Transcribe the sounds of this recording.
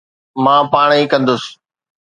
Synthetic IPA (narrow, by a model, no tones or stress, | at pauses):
mãːpaːɽ̃iːkɐ̃nd̪ʊs